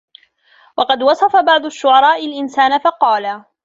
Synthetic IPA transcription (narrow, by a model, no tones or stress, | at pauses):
wɑqɑd̪wɑsˤɑfabɑʕd̪ˤʊʃːʊʕɑɾˤɑːʔɪlʔɪnsaːnafɑqɑːla